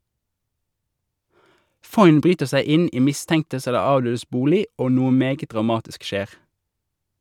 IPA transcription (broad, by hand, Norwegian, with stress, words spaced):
ˈfɔʏn ˈbʁyːtəʁ ˈsæɪ ˈɪn ˈiː ˈmɪstɛŋtəs ˈɛlə ˈɑːʋˌdøːdəs ˈbuːlɪ ˈoː ˈnuːə ˈmeːɡə dʁɑˈmɑːtɪsk ˈʃeːʁ